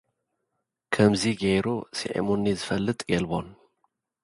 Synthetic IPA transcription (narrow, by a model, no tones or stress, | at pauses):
kʰɐmziɡɐjɾusḭʕḭmonːizɨfɐlːɨt̪ʼjɛlbon